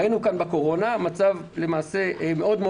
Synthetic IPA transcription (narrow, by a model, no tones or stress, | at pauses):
jinukanbeko̞ʁo̞namat͡savle̞maːse̞ʔme̞o̞d̪me